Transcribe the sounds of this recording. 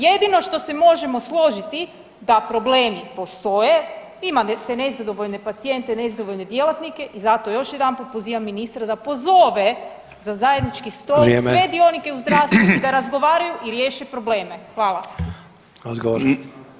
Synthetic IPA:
je̞d̪ino̞ʃt̪o̞se̞mo̞ʒe̞mo̞slˠo̞ʒit̪i | d̪apɾo̞bleːmipo̞st̪o̞je | imant̪ene̞zad̪o̞ʋoʎne̞pat̪sije̞nt̪enezad̪oʋo̞ʎne̞d̪je̞lˠat̪nike̞ʔizat̪o̞jo̞ʃjed̪anpopoziːʋamːinist̪ɾad̪apo̞zo̞ʋe | zazajed̪nit͡ʃkist̪olesʋe̞d̪io̞nike̞uzd̪ɾaːʋst̪ʋuid̪aɾazɡo̞ʋaːɾajuʔiɾjeːʃepɾo̞ble̞ːme̞xʋaːlˠa | azɡooɾ

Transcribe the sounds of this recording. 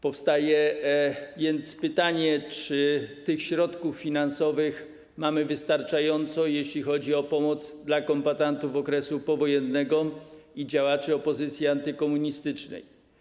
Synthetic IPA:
pɔfst̪ajɛ | vʲjɛnt̪spɘt̪aɲɛt͡ʂɘt̪ɘxɕɾɔt̪kufːʲinansɔvɘx | mamɘvɘst̪aɾt͡ʂajɔnt̪sɔjeɕlʲixɔd͡ʑiɔpɔmɔt̪zd̪lakɔmbat̪ant̪uvɔkɾɛsupɔvɔjɛnːɛɡɔid͡ʑawat͡ʂɘɔpɔzɘt̪sʲjiant̪ɘkɔmuɲist̪ɘt͡ʂnɛ̰j

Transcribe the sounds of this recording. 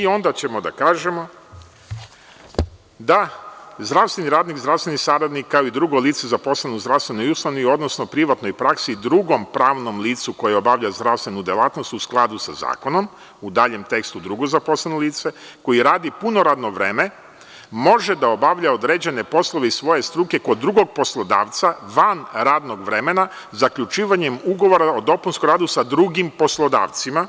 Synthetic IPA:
io̞nd̪at͡ɕe̞mo̞d̪a̰kaːʒe̞mo̞ | d̪azd̪ɾaʋst̪ʋe̞niɾaːd̪nikzd̪ɾaʋsʋenisaːɾad̪nikːaoid̪ɾuɡojliːt̪sezapo̞slˠenuzd̪ɾaʋst̪ʋenojuslˠanuio̞d̪no̞snopɾiʋat̪nojpɾaksid̪ɾuɡo̞mpɾaːʋno̞mliːt̪suko̞jeo̞baʋʎazd̪ɾafst̪ʋenud̪ʲjelˠaːt̪nost̪usklˠad̪usaza̰ːko̞no̞m | ud̪aːʎe̞mt̪e̞kst̪ud̪ɾuɡozapo̞slenoliːt̪seko̞jiɾaːd̪ipuno̞ɾaːd̪no̞ʋɾe̞ːme | mo̞ʒed̪ao̞baʋʎao̞d̪ɾeːd͡ʑe̞ne̞po̞slˠoʋeisʋo̞je̞st̪ɾuke̞ko̞d̪ːɾuɡo̞ɡ̚po̞slˠod̪a̰ːʋt̪saʋanɾaːd̪no̞ɡʋɾe̞me̞na | zakʎut͡ʃiːʋaɲe̞muɡo̞ʋo̞ɾaod̪o̞punskomɾaːd̪usad̪ɾuɡimpo̞slˠo̞d̪a̰ːʋt̪sima

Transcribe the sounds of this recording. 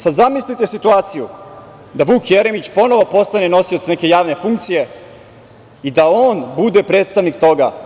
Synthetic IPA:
sad̪zamislit̪e̞sit̪uaːt̪siju | d̪aʋuːkjeɾemit͡ɕpo̞no̞ʋo̞po̞st̪aneno̞siot̪sneke̞jaːʋne̞fuŋk̚t̪sije̞ | id̪aoːnbud̪e̞pɾe̞ːt̪st̪aʋnikt̪o̞ɡa̰

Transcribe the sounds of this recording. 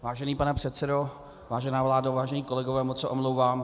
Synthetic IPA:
vaːʒɛniːpanɛpr̝̥ɛt̪sɛdo | vaːʒɛnaːvlaːdavaːʒɛɲiːko̞lɛɡovɛːmot̪t͡sɛʔomlowvaːm

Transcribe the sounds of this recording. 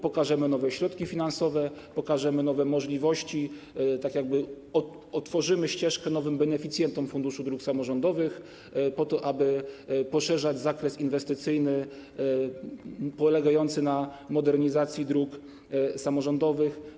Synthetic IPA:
pɔkaʐɛmɘnɔvɛɕɾɔt̪kʲifʲinansɔvɛpɔkaʐɛmɘnɔvɛmɔʐlʲivɔɕt͡ɕi | t̪akʲjaɡ̚bɘ | ɔ | ɔt̪fɔʐɘmɘɕt͡ɕɛʂkɛnɔvɘmbɛnɛfʲit̪sʲjɛnt̪ɔmfund̪uʂud̪ɾuksamɔʐɔnd̪ɔvɘx | pɔt̪ɔʔabɘpɔʂɛʐad͡ʑzakɾɛsinvɛst̪ɘt̪sɘjnɘ | pɔlɛɡajɔnt̪sɘnamɔd̪ɛɾɲizat̪sʲjid̪ɾuk | samɔʐɔnd̪ɔvɘx

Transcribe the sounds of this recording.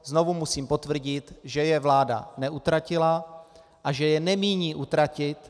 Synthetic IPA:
zno̞vumusiːmpo̞t̪vr̩ɟɪt̪ʒɛjɛvlaːda̰nɛʔut̪ɾacɪla | ʔaʒɛjɛnɛmiːɲiːʔut̪ɾacɪt̪

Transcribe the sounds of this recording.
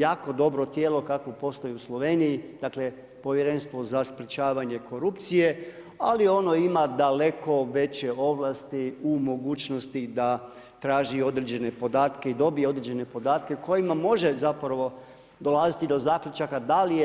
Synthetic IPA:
jaːko̞d̪o̞bɾot̪jeːlo̞kakʋopo̞st̪o̞jiuslˠo̞ʋe̞ːnijid̪̥aːkle̞ | po̞ʋjeɾe̞nst̪ʋo̞zaspɾet͡ɕaːʋaɲe̞ko̞ɾupt̪sije | alio̞no̞imad̪ale̞ko̞ʋe̞t͡ɕe̞o̞ʋlˠast̪iumo̞ɡuːt͡ɕnost̪id̪a | t̪ɾaːʒio̞d̪ɾed͡ʑe̞ne̞po̞d̪aːt̪ke̞id̪o̞bijeo̞d̪ɾed͡ʑe̞ne̞po̞d̪aːt̪ke̞ko̞jimamo̞ʒe̞zapɾaʋo̞ | d̪o̞lazit̪id̪o̞zaːklʲjut͡ʃakad̪alije

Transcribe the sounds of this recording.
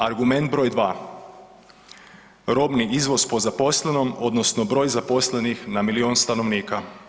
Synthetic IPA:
aɾɡume̞nd̪̚bɾo̞ːjd̪ʋaː | ɾo̞bniʔizʋo̞spo̞zapo̞sleno̞mo̞d̪nosno̞bɾo̞ːjzapo̞slenixnamilio̞ːnst̪ano̞ʋniːka

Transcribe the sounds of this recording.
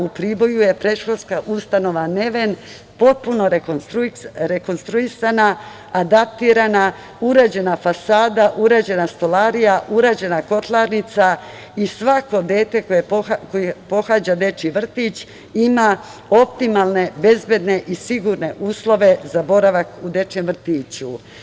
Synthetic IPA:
upɾibo̞juje̞pɾe̞ʃxod̪skaʔust̪ano̞ʋane̞ʋen | po̞t̪̚puno̞ɾoɾɾeko̞nst̪ɾuisanaː | d̪ap̚t̪iːɾana | uɾaːd͡ʑe̞nafasaːd̪aʔuɾaːd͡ʑe̞nast̪o̞laːɾijaʔuɾaːd͡ʑe̞nako̞t̪laɾnit̪sa | isʋako̞d̪e̞ːt̪e̞kojekojpo̞xaːd͡ʑad̪e̞t͡ʃiʋr̩t̪it͡ɕ | ima | o̞pt̪imaːlˠne̞be̞zbje̞d̪ne̞ʔisiɡuɾne̞ʔuːslˠo̞ʋe̞zabo̞ɾaʋakud̪e̞t͡ʃemʋr̩t̪iːt͡ɕu

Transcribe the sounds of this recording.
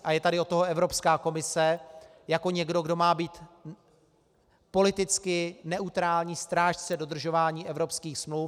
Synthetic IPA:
ʔajɛt̪adɪot̪ːoɦoɛvɾo̞pskaːko̞mɪsɛ | jako̞ɲɛɡdo̞ɡdo̞maːbiːt̪ | po̞lɪt̪ɪt͡skɪnɛʔut̪ɾaːlɲiːst̪ɾaːʃt͡sɛdo̞d̪r̩ʒo̞vaːɲiːʔɛvɾo̞pskiːxsmluːf

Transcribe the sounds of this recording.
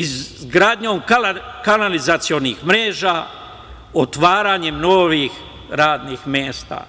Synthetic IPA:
izɡɾaːd̪ɲoːmkakanalizat̪sijonixmɾeːʒaː | ot̪ʋaːɾaːɲemnoːʋiːx | ɾaːd̪niːxmjeːst̪a̰ː

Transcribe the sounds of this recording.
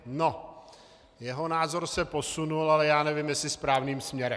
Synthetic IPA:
no̞ | jɛɦonaːzo̞ɾsɛposunulalɛjaːnɛvɪmjɛsɪspɾaːvniːmsmɲɛɾɛ

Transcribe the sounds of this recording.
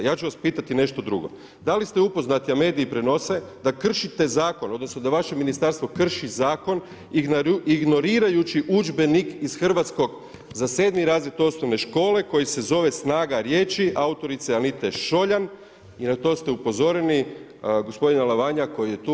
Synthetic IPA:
jaːt͡ʃuʋaspiːt̪at̪ine̞ʃt̪o̞d̪ɾuɡo̰ | d̪alist̪eupo̞znat̪iame̞ːd̪iipɾeno̞se̞d̪akr̩ʃit̪e̞zaːko̞no̞d̪no̞sno̞d̪aʋaʃe̞minist̪aɾst̪ʋo̞kr̩ʃizaːko̞n | iɡno̞ɾiːɾajut͡ʃiʔud͡ʒbe̞nikisxr̩ʋat̪sko̞ɡ | zase̞ːd̪niɾaːzjet̪uo̞sno̞ʋne̞ʃko̞ːle̞ko̞jise̞zo̞ʋe̞snaːɡaɾje̞ːt͡ʃiʔaut̪o̞ɾit̪seanit̪e̞ʃo̞ʎan | inat̪o̞st̪e̞upo̞zo̞ɾeni | ɡo̞spo̞d̪inalaʋaɲako̞jije̞t̪u

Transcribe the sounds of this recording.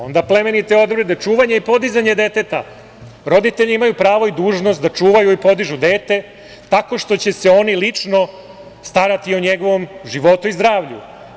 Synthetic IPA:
o̞nd̪aple̞menit̪eo̞d̪bɾed̪e̞t͡ʂuːʋaɲeipo̞d̪izaɲed̪e̞t̪e̞t̪a̰ | ɾo̞d̪it̪e̞ʎiimajupɾaːʋo̞id̪uːʒno̞st̪d̪at͡ʂuːʋajuipo̞d̪iʒud̪e̞ːt̪e̞ | t̪ako̞ʂt̪o̞t͡ɕe̞se̞o̞nilit͡ʂno̞ | st̪aɾat̪ioɲeɡo̞ʋo̞mʒiʋo̞t̪uizd̪ɾaːʋʎṵ

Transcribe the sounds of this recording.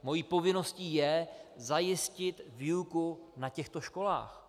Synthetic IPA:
mo̞jiːpo̞vɪno̞sciːjɛzajɪscɪt̪viːukunacɛxt̪o̞ʃko̞la̰ːx

